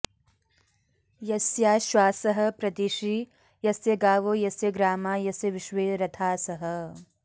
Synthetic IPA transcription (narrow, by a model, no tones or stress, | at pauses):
jɐsjaːʃwaːsɐɦɐ̆pɾɐt̪iʃi | jɐsjɐɡaːʋoːjɐsjɐɡɾaːmaːjɐsjɐʋɪʃʋeːɾɐt̪ʰaːsɐɦɐ